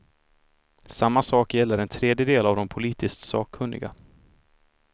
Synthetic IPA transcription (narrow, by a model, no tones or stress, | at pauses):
samːasɑːkjɛlːəɾɛnt̪ʰɾeːd̪jəd̪eːlavd̪ɔmpʰʊliːt̪ʰɪst̪sɑ̰ːkʰɵnːɪ̰ɡa̰